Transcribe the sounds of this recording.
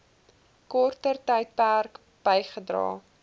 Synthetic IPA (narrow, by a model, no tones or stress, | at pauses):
kɔrtərtəjt̚pærk | b̥əjχədrɑ̰ː